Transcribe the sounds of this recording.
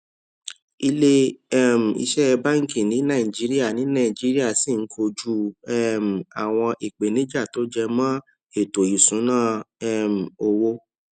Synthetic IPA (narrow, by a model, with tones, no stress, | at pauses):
i˧le˦ɛ˦m̩˨ḭ˧ʃɛ˦˧ba˦ŋ̩˦ki˦˨nĩ˨˦nã˦˨i˨d͡ʒi˨˦ɾi˦a˦˨nĩ˨˦nã˦˨d͡ʒi˨˦ɾi˦a˦˨si˦˨ŋ̩˦kʰo˧d͡ʒu˦ɛ˦m̩˨a˨w̃ɔ̃˧ʔi˨k͡pe˨nĩ˨˦d͡ʒa˦˨to˨˦d͡ʒɛ˧mãː˦ | e˨to˨ju˨sũ˨˦nãː˦˨ɛ˦˨m̩˨o˧wo˦